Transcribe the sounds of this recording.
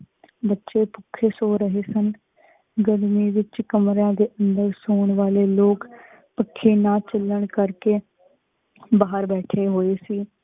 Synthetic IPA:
bətːʃeːpʊkʰːeːsoːɾəɦeːsən | ɡəɽmiːʋɪt͡ʃkəmɾãːd̪eːʔənd̪əɾsoːɳʋaːleːloːk | pəkʰːeːnaːt͡ʃəlːəɳkəɾkeː | baːəɾbɛːʈʰeːɦoːeːsiː

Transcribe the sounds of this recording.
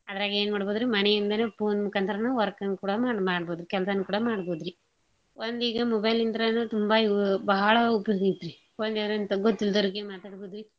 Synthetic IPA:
ɐd̪ɐɾaːɡeːnmaːɽboːd̪ɾimɐnejind̪ɐnepoːnmukːɐnt̪ɐɾɐnuʋɐɾkɐnkuːɽɐmaːmaːɽboːd̪ɾikɛlɐsɐnːukuːɽɐmaːɽboːd̪ɾi | ond̪iːɡɐmɔbɐjlind̪ɐɾɐnut̪umbaibɐɦɐɭɐupːɐjoːɡɐit̪ːɾi | ond̪iɾnt̪ɐɡot̪ːild̪ɐɾikːemaːt̪aːɽboːd̪ɾi

